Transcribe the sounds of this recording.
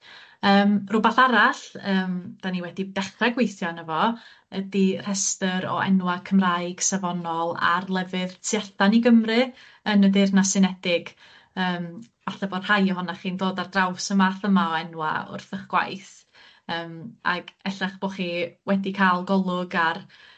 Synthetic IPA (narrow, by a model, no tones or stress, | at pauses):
əːmrʊbaθaɾaɬəːmd̥aniwɛdidɛχraɡwejθjɔnəvɔ | ədir̥ɛstəɾɔ̰ɛ̰nwakʰəmrajɡ̥savɔnɔlˠa̰rlˠɛvɨðtʰjaɬaniɡəmrɨ | ənədɪrnasɪnɛdɪɡ | əːm | vaɬɛbor̥hajɔɦɔnaχiːndoːdardrawsəmaθəmaɔɛnwa̰ʊ̰rθəχɡ̥wa̰jθ | əːma̰ɡ̥ɛɬaχb̥oχiwɛdikʰaːlˠɡɔlˠʊɡar